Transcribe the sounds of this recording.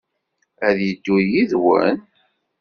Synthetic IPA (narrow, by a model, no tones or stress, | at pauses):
æðjəd̪ːujiðwə̰n